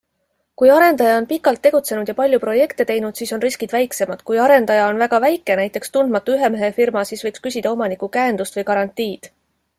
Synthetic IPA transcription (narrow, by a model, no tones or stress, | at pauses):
kujɑɾe̞nd̪ɑjɑo̞npikːˑɑlt̪ːe̞ɡ̥ut̪se̞nud̪̥jɑpɑlʲjupro̞je̞kt̪et̪e̞jnud̪̥siːso̞nriskid̪̥væjkse̞mɑd̪̥kujɑɾe̞nd̪ɑjɑo̞nvæɡ̥ɑvæjkːˑenæjt̪ːˑe̞kst̪und̪̥mɑt̪ːˑuyɦe̞meɦe̞firmɑsiːsvɤjkskysʲid̪̥ɑo̞mɑnikukæend̪ust̪vɤjkɑɾɑnt̪ːˑiːd̪̥